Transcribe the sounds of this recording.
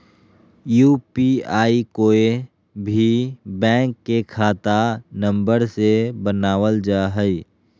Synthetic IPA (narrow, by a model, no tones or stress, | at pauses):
juːpiaːikoːe | bʱibɛ̃ːŋkːekʰaːt̪anə̃mbəɾsebənaːʋəld͡ʒaːɦəi